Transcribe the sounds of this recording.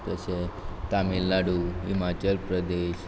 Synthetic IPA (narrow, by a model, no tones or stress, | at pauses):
t̪ət͡ʃʰet̪aminlaɽuɦḭmat͡ʃəlpɾəd̪eʃ